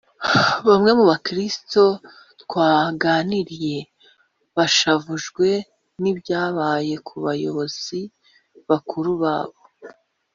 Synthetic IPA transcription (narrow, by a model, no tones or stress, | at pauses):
βamŋe̞muβakɾisi̥to̞ | tkwaːɡaːniɾije̞ | βaʃavuʒɡwe̞ | nibjaːβaːje̞kʰuβajo̞̰βo̞z̥i | βakʰuɾuβa̰ːβo̞